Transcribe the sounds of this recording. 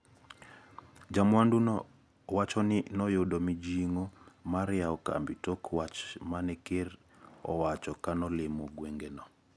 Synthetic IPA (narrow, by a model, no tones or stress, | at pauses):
d͡ʒamwandunɔ | wat͡ʃɔnɪnɔjʊdɔmid͡ʒiŋomaɾɪaɔka̰mbitɔkʰwat͡ʃmanɛker | ɔ̰wat͡ʃɔkanɔlɪmoɡweŋɡenɔ